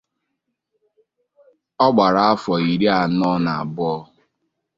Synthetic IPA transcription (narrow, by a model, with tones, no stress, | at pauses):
ɔ˦ɡ͡ba˨ɾa˨a˦fɔ˨i˨ɾi˦a˨nɔ˦na˨a˨bʊ˦ɔ˦